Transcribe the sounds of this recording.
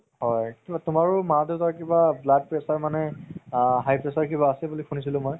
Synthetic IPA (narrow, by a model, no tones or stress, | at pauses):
hɔjtʊmaɹʊmadetakibablad̚pɹɛsaɹmanɛ | ɦajpɹɛsaɹkibaːsɛbulikʰunisilʊ̃mɔj